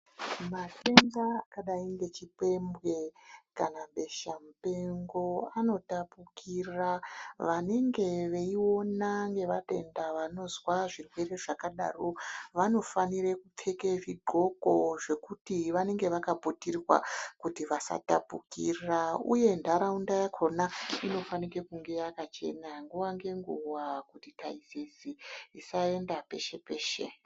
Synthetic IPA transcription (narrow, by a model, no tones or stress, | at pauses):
mate̞ŋɡaːkaɗaiŋɡe̞t͡ʃipe̞mbwe̞kanaɓe̞ʃamupe̞ŋɡo̞ano̞tapukʰiraʋane̞ŋɡe̞ʋeiwo̞naŋɡe̞ʋate̞̰ndaʋano̞zwaʐirwe̞re̞ʐakaɗa̰ːroʋano̞faniɾekup͡fʰe̞keʐiɡʱo̞ɡo̞ʐe̞kutiʋane̞ŋɡe̞ʋakabʱutirwa̰kutiʋasa̰tabʱukiraṵje̞ndaɾaundajakʰo̞naino̞fanike̞kuŋɡe̞jakat͡ʃe̞̰naŋɡuwaŋɡe̞ŋɡuwakutitaisisiisae̞ndape̞̰ʃe̞pe̞ːʃe̞̰